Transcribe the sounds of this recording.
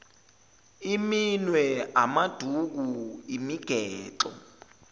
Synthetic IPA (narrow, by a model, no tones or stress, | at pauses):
iminwɛamad̥ʱuk̬uimiɡ̥ʱɛːǁɔ̰